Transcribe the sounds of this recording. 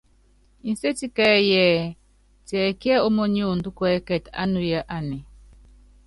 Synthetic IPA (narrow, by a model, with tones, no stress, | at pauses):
i˨n˨se˦ti˦kɛ˦jɛ˦˨ | tɛ˨kjɛ˦o˦mɔ˦ɲi˦o˦˨n˨du˦kwɛ˦kɛ˨ta̰˦nu˨ja˦ʔa˦nɛ˨